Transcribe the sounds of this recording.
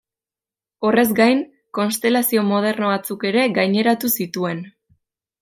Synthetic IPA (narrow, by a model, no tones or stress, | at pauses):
o̞re̞zɡajn | ko̞nst̪e̞lasio̞mo̞ð̞e̞rno̞βat͡suke̞ɾe̞ɣajɲe̞ɾat̪usit̪ue̞n